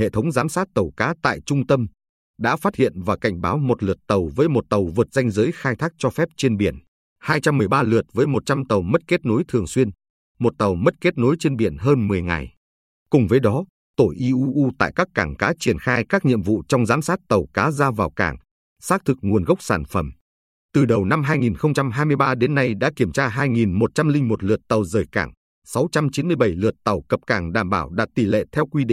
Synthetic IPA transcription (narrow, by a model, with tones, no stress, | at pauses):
hḛ˧˨t̪ʰə˨˦wŋ͡mzaː˨˦msaː˦˥t̚t̪ə˨˩wkaː˨˦t̪a̰ː˧˨jt͡ɕʊ˧ŋ͡mt̪ə˧m | ɗa̰ː˧˥faː˦˥t̚hḭ˧˨ənvaː˨˩ka˧˩jŋ̟ɓaː˨˦wmo˨˩t̚lɨ˨˩ət̚t̪ə˨˩wvəː˨˦jmo˨˩t̚t̪ə˨˩wvɨ˨˩t̚za˧jŋ̟zəː˨˦jxaː˧jt̪ʰaː˦˥k̚t͡ɕɔ˧fɛ˦˥p̚t͡ɕe˧nɓi˧˩ən | haː˧jt͡ɕa˧mːɨ˨˩əjɓaː˧lɨ˨˩ət̚vəː˨˦jmo˨˩t̚t͡ɕa˧mt̪ə˨˩wmə˦˥t̚ke˦˥t̚no˨˦jt̪ʰɨ˨˩əŋswi˧ən | mo˨˩t̚t̪ə˨˩wmə˦˥t̚ke˦˥t̚no˨˦jt͡ɕe˧nɓi˧˩ənɦəː˧nmɨ˨˩əjŋa̰˨˩j | kʊ˨˩ŋ͡mvəː˨˦jɗɔ˨˦ | t̪o˧˩jʔi˧ʔu˧ʔu˧t̪a̰ː˧˨jkaː˦˥kːaː˧˩ŋkaː˨˦t͡ɕi˧˩ənxaː˧jkaː˦˥k̚ɲḭ˧˨əmvṵ˧˨t͡ɕɔ˧wŋ͡mzaː˨˦msaː˦˥t̚t̪ə˨˩wkaː˨˦zaː˧vaː˨˩wka̰ː˧˩ŋ | saː˦˥t̪ʰɨ˨˩k̚ŋu˨˩ənɣə˦˥wk͡p̚sa̰ː˧˩nfə̰˧˩m | t̪ɨ˨˩ɗə˨˩wna˧mɦaː˧jŋi˨˩nxə˧wŋ͡mt͡ɕa˧mɦaː˧jmɨ˧əjɓaː˧ɗe˨˦nːa˧jɗa̰ː˧˥ki˧˩əmt͡ɕaː˧ɦaː˧jŋi˨˩nmo˨˩t̚t͡ɕa˧mlï˧ŋ̟mo˨˩t̚lɨ˨˩ət̚t̪ə˨˩wzəː˨˩jkaː˧˩ŋ | sa˨˦wt͡ɕa˧mt͡ɕi˨˦nmɨ˧əjɓə˧˩jlɨ˨˩ət̚t̪ə˨˩wkə˨˩p̚kaː˧˩ŋɗa̰ː˧˩mɓaː˧˩wɗa̰ː˧˥t̪i˧˩lḛ˧˨t̪ʰɛ˧wkwi˧ḭ˧˨